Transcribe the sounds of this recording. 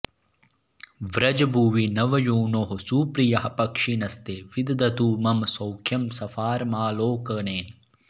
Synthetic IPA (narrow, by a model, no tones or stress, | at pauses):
ʋɾɐd͡ʒɐbʱuːʋinɐʋɐjuːnoːɦosuːpɾijɐɦɐpɐkʂinɐst̪eʋid̪ɐd̪ɐt̪uːmɐmsɐwkʰjɐmsɐfaːɾmaːloːkɐneːn